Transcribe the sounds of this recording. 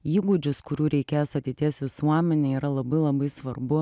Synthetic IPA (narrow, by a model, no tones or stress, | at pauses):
iːɡʊd͡ʒʲʊskʊɾʲuːɾʲɛɪkʲeːjsɐt̪ʲeɪt̪ʲiɛsʋʲɪsuɔmʲɛnʲeːiːɾɐlˠɐbɐɪlˠɐbɐɪsʋɐrbʊ